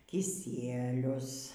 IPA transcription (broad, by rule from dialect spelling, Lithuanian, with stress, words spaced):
kʲɪˈsʲiɛlʲʊs